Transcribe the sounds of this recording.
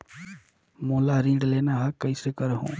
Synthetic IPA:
mõːlaːɾĩːɖleːnaːɦakːəisekəɾɦõ̰ː

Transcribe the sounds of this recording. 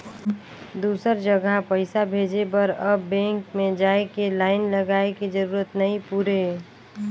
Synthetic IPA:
d̪uːsəɾd͡ʒəɡʱapəɪsabʱeːd͡ʒebəɾəbːɛ̃ːŋkmẽd͡ʒaːekelaːɪnləɡaːekid͡ʒəɾuːɾət̪nəɦĩpuːɾe

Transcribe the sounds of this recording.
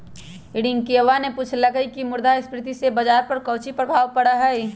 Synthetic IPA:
iɽɪŋɡkeʋanepuːt͡ʃʰlɐɡəikimʊɾd̪ʱaɪspɾɪt̪isebɐd͡ʒaːɾpɐɾkɐːt͡ʃipɾəbʱaːʋpɐɽaɦɛj

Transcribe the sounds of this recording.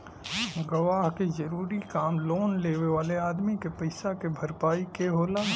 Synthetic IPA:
ɡɐʋaːɦkezɐɾuːɾikaːmloːnleːʋeʋaːleaːd̪mikepɐɪsakebʱɐɾpaːikeɦoːlaː

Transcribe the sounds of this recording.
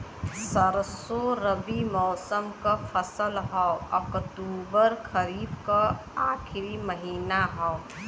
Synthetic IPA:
səɾəsoɾəbimɔːsəmkafʰəsəlɦɔəkʈuːbəɾkʰəɾiːbkaaːkʰɪɾiməɦiːnaɦɔ

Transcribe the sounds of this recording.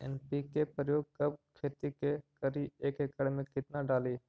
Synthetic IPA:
ɛ̰ːnpikepɾəjoːɡ̚kɐb̚kʰeːt̪ikekəɾieːkekəɽmẽkɪt̪naɖaːliː

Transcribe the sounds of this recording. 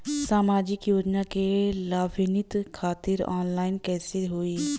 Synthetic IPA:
saːmaːd͡ʒɪkjoːd͡ʒnakelaːbʱɪnɪt̪kʰaːt̪ɪɾɔ̰ːnlaːɪnkɛːseɦoːi

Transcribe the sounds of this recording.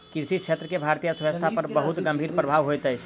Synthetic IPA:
kiɾsit͡ʃʰet̪ɾəkebʱaɾt̪ijəsəst̪ʰapəɾbəɦut̪ɡəmbʱiɾpɾəbʱaʋɦojt̪əjt͡ʃʰ

